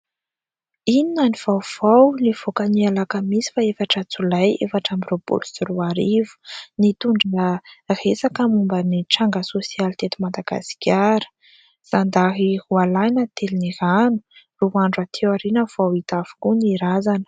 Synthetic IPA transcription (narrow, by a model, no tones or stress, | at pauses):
ininaniv̥awv̥awniv̥okənialakəmisi̥faefaʈ͡ʂət͡sulajefaʈ͡ʂambiropṵlusiruaɾivu̥nit̪uɳɖ͡ʐ | resakəmumbəniʈ͡ʂaŋɡəsosialit̪et̪umad̪aɡ̥a̰si̥kʲʰaɾə̥ | z̥and̪aɦihualajnət̪eliniɾanu̥ | ruaɳɖ͡ʐat̪ʰewaɾinəv̥awit̪afu̥kuniɾazanə̥